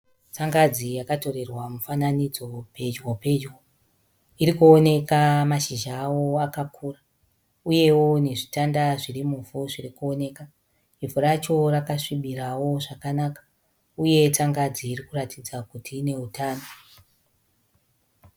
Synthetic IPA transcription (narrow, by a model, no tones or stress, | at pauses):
t͡saŋɡad͡zijakato̞ɾe̞rwamufananid͡zo̞pe̞d͡ʒwope̞d͡ʒwo | iɾikuone̞kamaʃiʒaːwo̞akakʰuːra | uje̞wo̞ne̞ʐitandaʐirimufuʐirikuo̞ne̞ːka | ivuɾat͡ʃo̞rakaʂiɓiɾawo̞ʐakanakḁ | uje̞t͡saŋɡad͡ziːrikuratid͡zakutʰiːne̞utaːno